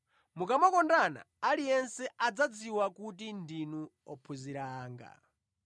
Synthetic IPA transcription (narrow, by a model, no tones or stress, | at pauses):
mukamɔkɔndana̰ːlijɛnsɛʔad͡zad͡ziwakutindinu | ɔpʰuziɾaːŋɡa̰